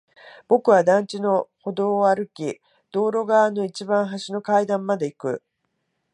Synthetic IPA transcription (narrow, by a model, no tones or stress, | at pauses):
b̥o̞kɯ̟βad̪ãɲt͡ɕino̞ho̞d̪o̞ːaɾɯ̟kʲi | d̪̥o̞ːɾo̞ɡaano̞it͡ɕibãɰ̃ɦaɕino̞kaid̪ãmːad̪e̞ikɯ̟